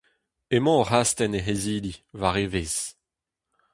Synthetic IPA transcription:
emɑ̃oʁast̪ɛneɦeziːlivaʁeveːz̥

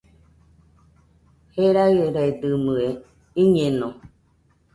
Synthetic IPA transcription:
heɾaieɾaed̪ɨmɯe | iɲẽnõ

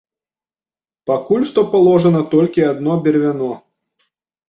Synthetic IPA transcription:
pɐkulʲʂt̪ɔpɐlˠɔʐənɐt̪ɔlʲkʲiad̪nɔbʲɛɾvʲanɔ

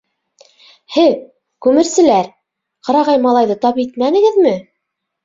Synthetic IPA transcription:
hɘð | kʉmɘ̆ɾsɘ̆læɾ | qɤ̆ɾɑʁɑjmɑlˠɑjðɤt̪ɑpit̪mænɘ̆ɡɘ̆ðmɘ

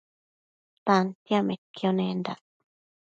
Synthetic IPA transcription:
t̪ant̪jamẽt̪kjonẽnd̪a̰

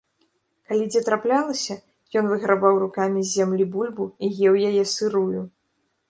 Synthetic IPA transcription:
kalʲid͡zʲɛt̪ɾaplʲalˠɐsʲɐ | jɔnvɨɣɾabawrukamʲizʲːamlʲibulʲbuijɛwjajɛsɨɾuju

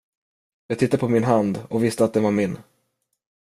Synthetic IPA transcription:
jɑːɡ̚t̪ʰɪt̪ːad̪əpʰɔmɪnɦand̪ɔkvɪst̪əat̪̚d̪ɛnvaɾmɪnː

